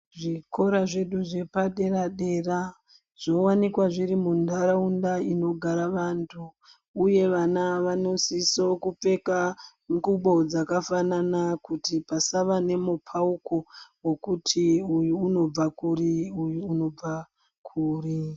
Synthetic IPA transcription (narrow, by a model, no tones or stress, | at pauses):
ʐiko̞ɾaʐe̞ɗuʐe̞paɗe̞raɗe̞ːra | ʐ̥o̞wanikwaʐiɾimundʱaɾaundaino̞ɡʱaɾaʋantʰuː | je̞ʋanaʋano̞sisokup͡fe̞ka | ŋkuɓo̞d͡zakafananakutipasaʋane̞mupʰauko̞wo̞kutʰiujuːno̞b͡vakuriujuːno̞b͡va | kʰuːri